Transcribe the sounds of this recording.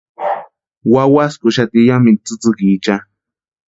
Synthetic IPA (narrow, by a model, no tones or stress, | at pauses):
wawaskʊʃat̪ijamit͡sɨt͡sɨkit͡ʃa